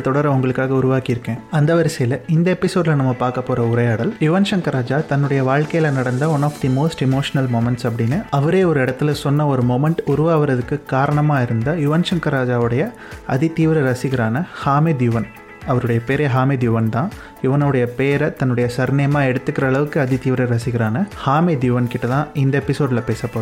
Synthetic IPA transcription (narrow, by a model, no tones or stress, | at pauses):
t̪ɔɽɐɾɐʊŋɡɐɭɯkːaːɣɐʊɾʊʋaːkɪɪɾɯkːẽːɐnd̪ɐʋɐɾɪsɐjɪlɐɪnd̪ɐɛpːɪsoːd̪ɪlɐnɐmːɐpaːɾkɐpːoːɾɐʊɾɐjaːɽɐljʊʋɐnʃɐŋkɐɾaːd͡ʒaːt̪ɐnːɯɽɐjɐʋaːɭkɐjɪlɐnɐɽɐnd̪ɐʋɔnaːfʈ̪ɪmoːsʈɪmoːʂɐnɐlmomɛɳʈsɐp̬ːɐɽɪnːɯɐʋɐɾeːɔɾɯɪɽɐt̪ːɪlɐsɔnːɐɔɾɯmɔmɛɳʈʊɾʊʋaːʋɐɾɐðɯkːɯkaːɾɐɳɐmaːɪɾɯnd̪ɐjʊʋɐnʃɐŋkɐɾaːd͡ʒaːʋɯɽɐjɐ | ɐ̰ðit̪iːʋɪɾɐɾɐsɪɣɪɾaːnɐhaːmed̪jʊʋɐn | ɐʋɐɾɯɽɐjɐpeːɾɐɦaːmed̪jʊʋɐnt̪ãː | jʊʋɐnɐʋɯɽɐjɐpeːɾɐt̪ɐnːɯɽɐjɐsɐɾnɐjɐmaːɛɽɯt̪ːɯkːɪɾɐːɭɐʋɯkːɯɐðɪt̪iːʋɪɾɐɾɐsɪɣɪɾaːnɐhaːmed̪jʊʋɐnkɪʈːɐt̪ãːɪnd̪ɐɛpːɪsoːɖɪlɐpeːsɐpːoːɾɯ